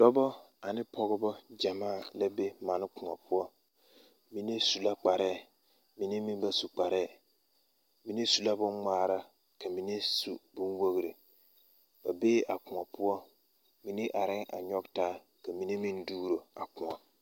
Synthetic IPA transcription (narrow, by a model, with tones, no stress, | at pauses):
d̥ɔ˦bɔ˦ | a˨nɪ˦pɔ˦ɡɔ˦bɔ˦d͡ʒa˨maː˦˨la˦be˦ma˨nɪ˦kʊ˨ŋa˨pʰʊ˦ɔ˦ | mi˦ne˦su˨la˦k͡pa˨ɾɛː˦˨ | mi˨ne˦mi˦nba˨su˨k͡pa˨ɾɛ˦˨ | mi˨ne˦su˨la˦bʊ˦ŋmaː˦˨ɾa˦ | ka˨mi˨ne˦su˨bʊ˦nwo˦ɣɾi˨ | b̥a˨beː˦ʔa˨kʊ˨ŋa˨pʊ˦ɔ˦ | mi˨ne˦ʔa˨ɾɪ˦ŋa̰˨ɲɔ˦ɡtaː˦ | ka˨mi˨ne˦mi˦nduː˦ɾo˨a̰˨kʊ˨ŋa˨